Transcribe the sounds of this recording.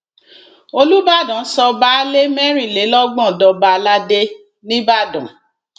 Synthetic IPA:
o˧lu˦ba˦˨dɔ̃˨˦sɔ˧ba˦le˦mɛ˦ɾ̃ĩ˦˨le˨˦lɔ˦ɡ͡bɔ̃˦˨dɔ˧ba˧la˦de˦ | nĩ˦ba˦˨dɔ̰̃˨

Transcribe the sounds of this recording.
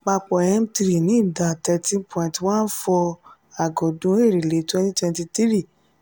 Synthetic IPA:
k͡pa˧k͡pɔ˨ɛ˦m̩˦ti˧ɾi˦˨nĩ˨˦˨da˨tɛ˧tĩ˦pʰɔ̃˧˨ĩ˨tw̃ãː˦n̩˦fɔ˧ | a˨ɡɔ˨dũ˨˦e˦˨ɾi˨le˨˦twɛ̃˧˦ti˦twɛ̃˧nti˧ti˦ɾi˦˨

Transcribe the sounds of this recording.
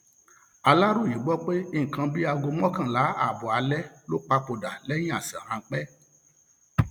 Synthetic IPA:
a˧la˦ɾu˦˨ji˨˦ɡ͡bɔ˦k͡pe˦i˦˨ŋ̩˨kã˨˧bi˦a˧ɡo˧m˦ɔ̃˦kã˦˨la˨˦a̰˦˨bɔ˨a˧lɛ˦lo˦k͡pa˧po˨da˨lɛ˦j̃ĩ˦a˦˨sã˨hã˧˦k͡pɛ˦

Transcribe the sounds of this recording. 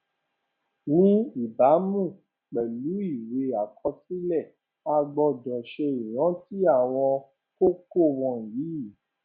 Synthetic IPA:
nĩ˦i˦˨ba˨˦mũ˦˨ | k͡pɛ˨lu˨˦i˦˨we˧a˨kʰɔ˧si˦lɛ˦˨ | a˧ɡ͡bɔ˧dɔ̃˨ʃe˧i˨j̃ɔ̃˨˦ti˦a˦˨w̃ɔ̃˧ | ko˦ko˦˨wɔ̃˧˨ji˨˦

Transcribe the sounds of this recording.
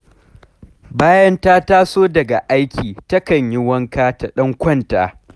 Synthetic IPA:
baː˦jɐ˦ntaː˦taː˦soː˦dɐ˨ɡa˨ʔa˦jkʲiː˨tɐ˦kɐ˨ɲjɪ˦wɐ˦ŋkaː˦ta˨ɗɐ˦ŋkʷɔ˦nta̰ː˨

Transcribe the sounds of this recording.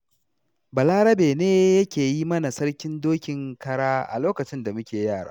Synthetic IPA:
bɐ˨laː˦ɾɐ˦beː˨neː˦jɐ˦kʲeː˨ji˦mɐ˦na˨sɐ˦rkʲɪ˦ndoː˦kʲɪ˨ŋkɐ˦ɽaː˦ʔa̰˨loː˦kɐ˨t͡ʃɪ˦nda˨mʊ˦kʲeː˨jaː˦˨ɽa̰ː˦

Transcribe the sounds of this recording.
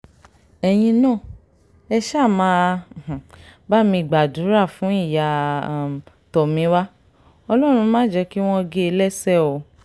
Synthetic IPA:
ɛ˧j̃ĩ˧nãː˦˨ | ɛ˧ʃa˦˨mãː˨˦˨ | ba˦˨mĩ˧˨ɡ͡ba˨du˨˦ɾa˦˨fũ˨˦i˦˨ja˨ | tɔ˨mĩ˨˦wa˦ | ɔ˧lɔ˦˨ɾ̃ũ˧mãː˦d͡ʒɛ˧ki˦w̃ɔ̃˦˧ɡe˦e˧lɛ˦˨sɛ˦˨o˨˦

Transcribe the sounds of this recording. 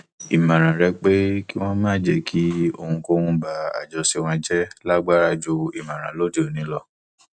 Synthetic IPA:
i˨mã˨ɾ̃ã˨ɾɛ˧k͡pe˦ki˦w̃ɔ̃˦mãː˦d͡ʒe˦˨kʰi˦o˧hũ˧ko˦hũ˧ba˨˦a̰˨d͡ʒɔ˧si˧w̃ɔ̃˧d͡ʒɛ˦la˦ɡ͡ba˦ɾa˦˨d͡ʒo˧i˨mã˨ɾ̃ã̰˨lo˦de˦o˨nĩ˨˦lɔ˧

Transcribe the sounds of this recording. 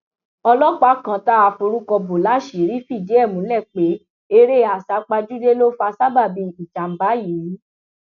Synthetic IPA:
ɔ˧lɔ˦k͡pa˦kã˧˦ta˦a˧fu˧ɾu˦kɔ˧bo˨la˨˦ʃi˨˦ɾi˦fi˦˨d͡ʒe˨˦ɛ˦˨mũ˨˦ɛ˦˨k͡pe˨˦ | e˧ɾe˦a˨sa˨˦k͡pa˧d͡ʒu˦de˦lo˦fa˧sa˦ba˦˨bi˧i˨d͡ʒa˨m̩˨ba˨˦ji˨ɾi˨˦

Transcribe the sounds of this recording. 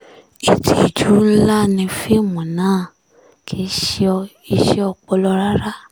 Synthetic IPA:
i˨tʰi˨i˨d͡ʒu˨˦la˦nĩ˧fe˦˨mũ˨nãː˨˦˨ | kʰe˨˧˦ʃi˦ɔ˧ | i˧ʃɛ˦ɔ˧k͡pɔ˧lɔ˧ɾa˦ɾa˦

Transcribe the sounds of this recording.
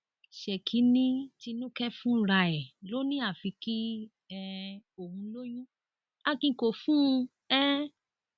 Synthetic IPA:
ʃɛ˨kʰi˨˦nĩ˦ti˧nũ˦kɛ˦fũ˦ɾa˧˨ɛ˨lo˦nĩ˦a˦˨fi˨˧ki˦ | ɛ˧o˨hũ˧˦lo˦jũ˦ | a˦˧kĩ˧˨ko˨fũ˦˧ | ɛ˦

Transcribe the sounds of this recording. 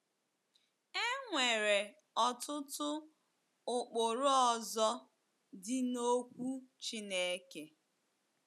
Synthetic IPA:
e˦ŋʷe˨ɾe˨ | ɔ˨tʊ˦tʊ˦ | ʊ˨k͡po˨ɾʊ˦ɔ˦˨zɔ˦ | dɪ˦no˦kʷu˦t͡ʃi˦ne˦e˦ke˦

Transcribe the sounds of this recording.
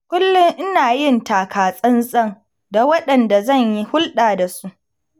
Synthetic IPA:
kʷʊ˦lːʊ˦ŋʔɪ˦naː˨jɪ˦˨ntaː˨kʰaː˨sʼɐ˦nsʼɐ˦˨ŋ | da˨wɐ˦ɗɐ˨nda˨zɐ˦˨ɲji˦hʊ˦lɗaː˨da˨su˦ʔ

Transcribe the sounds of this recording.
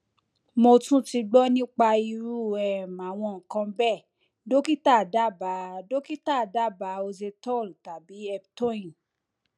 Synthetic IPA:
mo˧tũ˦ti˧ɡ͡bɔ˦nĩ˦k͡pa˧i˧ɾu˦˨ɛ˨mã˨w̃ɔ̃˧˨ŋ̩˨kã˧bɛ˦˨ | do˦ki˦ta˦˨da˦˨ba˨˦do˦ki˦ta˦˨da˦˨ba˨˦o˧ze˧tɔ˦˨lta˨bi˨˦ɛ˧btõ˦˨ĩ˨

